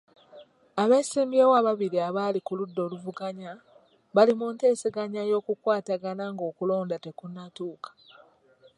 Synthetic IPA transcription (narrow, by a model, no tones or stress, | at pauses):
aβe̞siːmbjeːwaβaβiɾiaβaːlikuludːo̞ːluvuɡaɲa | βalimunte̞ːsiɡaɲajo̞ːkukwaːtaɡanaŋɡo̞ːkulo̞ːndate̞kunːatuːkḁ